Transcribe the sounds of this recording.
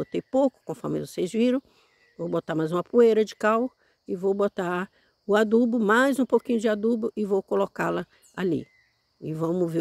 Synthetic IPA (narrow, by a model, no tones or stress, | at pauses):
ot̪ejpowkʊ̥kõfɔ̰ɾmɪvosejzviɾɐ̃w̃ | vowbot̪aɾmajzũmɐpuejɾɐd͡ʒɪkaw | ɪvowbot̪a | ʊad̪ubʊmajzũpokĩɲʊd͡ʒɪad̪ubʊʔɪvowkolokalɐ | alḭ | ɪvɐ̃mʊve